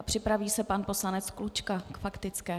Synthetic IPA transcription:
apr̝̥ɪpɾaviːsɛpanpo̞slanɛt͡sklut͡ʃkakfakt̪ɪt͡skɛː

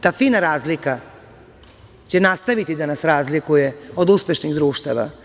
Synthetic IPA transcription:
t̪aːfiːnaɾaːzlika | t͡ɕenast̪aʋit̪id̪anasɾaːzlikujeod̪uspeʃniɣd̪ɾuːʃt̪aʋa̰

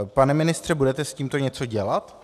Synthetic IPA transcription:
panɛmɪnɪst̪r̥ɛbudɛt̪ɛsciːmt̪oɲɛt͡so̞ɟɛlat̪

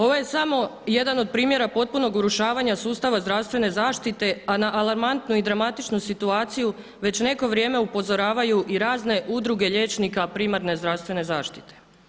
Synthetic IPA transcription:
o̞ʋoje̞samo̞je̞d̪ano̞d̪̚pɾiːmje̞ɾapo̞t̪̚puno̞ɡuɾuʃaːʋaɲasuːst̪aʋazd̪ɾaʋst̪ʋe̞ne̞zaːʃt̪it̪e̞anaʔalˠaɾmant̪nuid̪ɾamat̪it͡ʃnusit̪uaːt̪siju | ʋet͡ɕne̞ko̞ʋɾje̞ːme̞upo̞zo̞ɾaːʋajuʔiɾaːzne̞ʔud̪ɾuɡe̞ʎeːt͡ʃnikapɾimaɾne̞zd̪ɾaʋst̪ʋe̞ne̞zaːʃt̪i̥t̪e̥

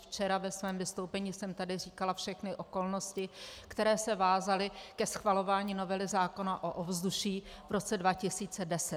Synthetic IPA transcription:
ft͡ʃɛɾavɛsvɛːmvɪst̪owpɛɲiːsɛmt̪adɪriːkalafʃɛxnɪʔo̞ko̞lno̞scɪkt̪ɛɾɛːsɛvaːzalɪkɛsxvalo̞vaːɲiːno̞vɛlɪzaːko̞naʔoʔovzduʃiːvɾo̞t͡sɛdvacɪsiːt͡sɛdɛsɛt̪

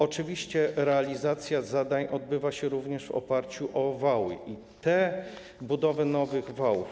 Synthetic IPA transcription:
ɔt͡ʂɘvʲiɕt͡ɕɛɾɛalʲizat̪sʲjazad̪aɲʔɔd̪̚bɘvaɕɛɾuvɲɛʂvɔ̰paɾt͡ɕuʔɔvawɘ̰ʔi | t̪ɛ | bud̪ɔvɛnɔvɘɣvawuf

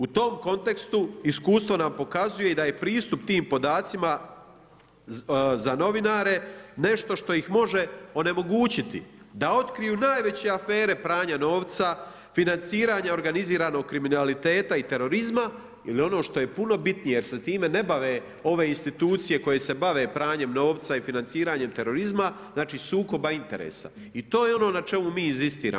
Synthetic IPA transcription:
ut̪o̞ːmko̞nt̪e̞kst̪uiskuːst̪ʋo̞nampo̞kazuje̞id̪aje̞pɾiːst̪upt̪iːmpo̞d̪aːt̪sima | zano̞ʋinaːɾe̞ne̞ʃt̪o̞ʃt̪o̞jixmo̞ʒe̞o̞ne̞mo̞ɡuːt͡ɕit̪ḭ | d̪ao̞t̪kɾijuːnaːjʋe̞t͡ɕe̞afe̞ːɾe̞pɾaːɲano̞ːʋt̪sa | finant̪siːɾaːɲao̞ɾɡaniziːɾaːno̞ɡ̚kːɾiminalit̪e̞ːt̪ait̪e̞ɾo̞ɾizma | ḭlio̞no̞ːʃt̪o̞je̞puno̞bit̪nijejeɾset̪iːme̞ne̞baʋeː | o̞ʋe̞ːinst̪it̪uːt̪sije̞ko̞je̞se̞baʋe̞ːpɾaːɲe̞mno̞ːʋt̪saifinansiːɾaːɲe̞mt̪e̞ɾo̞ɾizmaznaːt͡ʃiːsuːko̞baint̪e̞̰ɾḛːsa̰ | it̪o̞ːjeo̞no̞ːnat͡ʃe̞mumiːinzist̪ḭːɾa̰

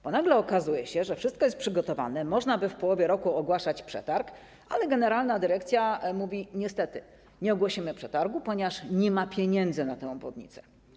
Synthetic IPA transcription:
b̥ɔnaɡlɛɔkazujɛɕɛʐɛfʂɘst̪̚kɔjɛst̪pʂɘɡɔt̪ɔva̰nɛmɔʐnabɘfpɔwɔvʲjɛɾɔkuɔɡwaʂat͡ɕpʂɛ̰t̪aɾk | ʔalɛɡɛnɛɾalnad̪ɘɾɛkt̪sʲjamuvʲiɲɛst̪ɛt̪ɘ | ɲɛɔɡwɔɕimɘpʂɛt̪aɾɡupɔɲɛvaʂɲɛmapʲjeɲɛnd̪zɘnat̪ɛ̃ɔbwɔ̰d̪ɲḭt̪sɛ̥

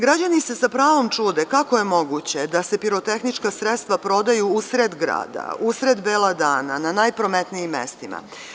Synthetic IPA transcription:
ɡɾad͡ʑanise̞sapɾaːʋo̞mt͡ʂud̪e̞kakoje̞mo̞ɡut͡ɕe̞d̪ase̞piɾo̞t̪e̞xnit͡ʃkasɾet̪st̪ʋapɾo̞d̪ajuusɾed̪ɡɾa̰ːd̪a̰usɾed̪beːlˠad̪aːnananajpɾo̞met̪nijimːḛst̪ima̰

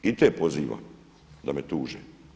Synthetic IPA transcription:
it̪epoziːʋa̰m | d̪amet̪uːʒe

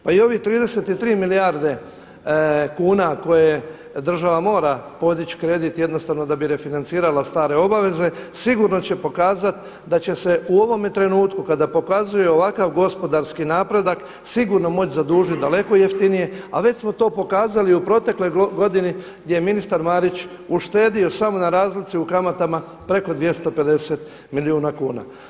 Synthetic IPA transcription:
paio̞ʋit̪ɾiːd̪e̞set̪it̪ɾiːmiliaɾd̪e̞ | kuːnako̞je | d̪r̩ʒaʋamo̞ːɾapo̞d̪it͡ɕkɾe̞d̪it̪je̞d̪nost̪aʋno̞d̪abiɾe̞finant̪siːɾalast̪aːɾe̞o̞baʋe̞ze̞siɡuɾno̞t͡ɕe̞po̞kaːzat̪ | d̪at͡ɕe̞se̞uo̞ʋo̞met̪ɾe̞nuːt̪kukad̪apo̞kazujeo̞ʋakaʋɡo̞spo̞d̪aɾskinaːpɾe̞d̪ak | siɡuɾno̞mo̞t͡ɕzad̪uːʒit̪̚d̪ale̞ko̞jeft̪inije̞aʋe̞t͡ɕsmo̞t̪o̞ːpo̞kaːzaliupɾo̞t̪e̞klo̞jɡo̞d̪ini | ɡd̪ʲjejeminist̪aɾmaɾit͡ɕ | uʃt̪e̞ːd̪io̞samo̞naɾaːzlit̪siukamat̪ama | pɾe̞ko̞d̪ʋje̞st̪o̞pe̞d̪e̞se̞t̪ | miliuːnakuːna̰

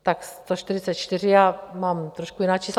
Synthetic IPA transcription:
t̪akst̪oʃt̪ɪrɪt͡sɛt̪t͡ʃt̪ɪrɪjaːmamt̪ɾoʃkujɪnaːt͡ʃiːsl

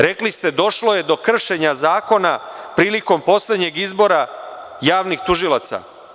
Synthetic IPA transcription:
ɾe̞klist̪e̞d̪o̞ʃlo̞je̞d̪o̞kr̩ʃe̞ɲazaːko̞napɾiːliko̞mpo̞sle̞d̪ɲe̞ɡizbo̞ɾa | jaːʋnixt̪uʒilˠat̪sa̰

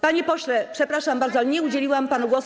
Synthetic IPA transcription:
paɲɛpɔɕlɛpʂɛpɾaʂambaɾd̪zɔalɛɲɛud͡ʑelʲiwampanuɡwɔs

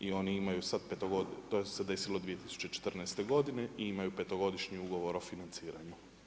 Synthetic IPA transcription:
io̞niimajusad̪pet̪oɡot̪osed̪e̞silod̪ʋije̞t̪i̥su̥t͡ɕe̞t͡ʃet̪rnɛjst̪e̞ɡo̞d̪ine̞ʔiimajupe̞t̪oɡo̞d̪iʃɲiuɡo̞ʋo̞ɾo̞finant̪siːɾaɲu

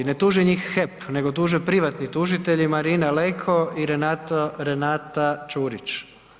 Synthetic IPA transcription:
net̪uːʒeɲixːepne̞ɡo̞t̪uːʒepɾiʋat̪nit̪uʒit̪e̞ʎimaɾiːnalekʰoiɾe̞nat̪oɾe̞naːt̪at͡ʃuːɾit͡ʃ

